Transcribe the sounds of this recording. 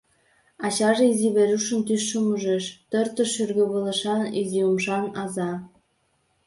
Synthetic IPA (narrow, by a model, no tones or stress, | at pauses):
ɑt͡ɕɑʒeiziβeɾuʃə̆nt̪yʃːəmuʒeʃt̪ɤrt̪ə̆ʃyrɣə̆βɤ̆lə̆ʃɑniziumʃɑnɑzɑ